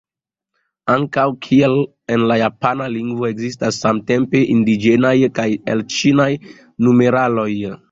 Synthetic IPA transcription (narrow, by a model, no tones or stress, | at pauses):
aŋkawkʰiel | e̞nlajapanaliŋɡvo̞e̞ɡzistasːamte̞mpe̞ʔindid͡ʒe̞najkajḛlt͡ʃinaj | nume̞ɾalo̞j